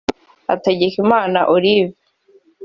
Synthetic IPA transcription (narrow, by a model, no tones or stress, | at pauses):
a̰taɟekimaːnaʔoɾivi